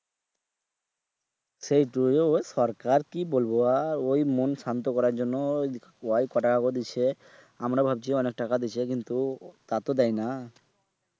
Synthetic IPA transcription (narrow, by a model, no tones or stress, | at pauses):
sejʈueoʃɔɾkaɾkibolboaɾojmonʃant̪okɔɾaɾd͡ʑonːo | oajkɔʈakakod̪it͡ɕʰe | amɾabʱab̚t͡ɕʰiɔnek̚ʈakad̪it͡ɕʰekint̪ut̪at̪od̪ɛjna